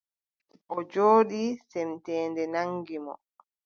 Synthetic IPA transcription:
ʔɔd͡ʒoːɗisɛmtɛːndɛnaŋɡimɔ̰

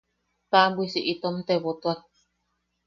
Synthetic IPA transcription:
t̪abwisiʔit̪omt̪eβot̪oak̚

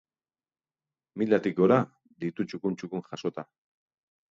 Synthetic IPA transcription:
milat̪ikoɾa | d̪it̪ut͡ʃʊkunt͡ʃʊkuŋχasot̪a

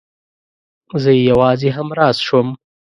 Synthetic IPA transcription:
zəjjawɑːzeɦamɾɑːsʃom

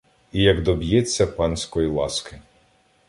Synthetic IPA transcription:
ijɐɡd̪ɔbʲjɛt͡sʲːɐpɑnsʲkɔjilˠɑskɪ

